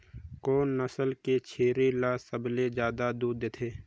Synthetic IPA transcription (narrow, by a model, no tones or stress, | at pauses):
koːnːəsəlket͡ʃʰeːɾelasəbled͡ʒjaːd̪ad̪uːd̪eːt̪ʰeː